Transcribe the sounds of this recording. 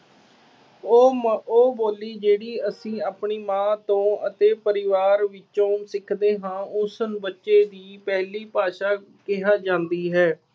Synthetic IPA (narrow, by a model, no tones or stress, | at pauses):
oːboːliːd͡ʒeːɽiːəsĩːaːpɳiːmãːt̪õːət̪eːpəɾɪʋaːɾʋɪt͡ʃõːsɪkʰd̪eːɦãːʊsənbətːʃeːd̪iːpɛɦliːpaːʃaː | kɪɦaːd͡ʒãːnd̪iːɦɛː